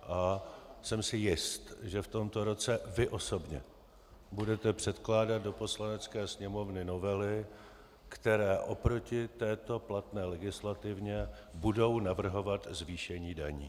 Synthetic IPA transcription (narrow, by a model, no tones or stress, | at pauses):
ʔasɛmsɪjɪst̪ʒɛft̪o̞mt̪o̞ɾo̞t͡sɛvɪʔo̞so̞bɲɛ̰ | budɛt̪ɛpr̝̥ɛt̪klaːdat̪̚do̞po̞slanɛt͡skɛːsɲɛmo̞vnɪno̞vɛlɪ | kt̪ɛɾɛːʔo̞pɾo̞cɪt̪ɛːt̪o̞plat̪nɛːlɛɡɪslat̪ɪvɲɛ | budo̞wnavr̩ɦo̞vat̪zviːʃɛɲiːdaɲḭː